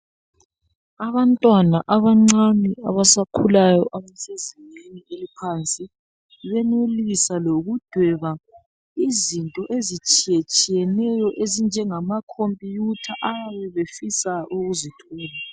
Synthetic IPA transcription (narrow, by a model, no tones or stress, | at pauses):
aβantʼwanaʔaβaŋ͡ǀania̰βasakʰulajɔʔamsʼezinenielipʰant͡sʼi | βɛnelisaloɣud̥ʱwɛβa | izintʼɔʔezit͡ʃʼijɛt͡ʃʼijɛnɛjɔʔezind͡ʒʱɛŋamakʰompʼijutʰaʔaaβɛβefisaʔuɣuzitʰɔːla